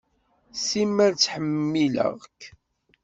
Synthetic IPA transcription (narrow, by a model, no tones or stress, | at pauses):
simːæɾt͡sːħəmːilə̰ʁkː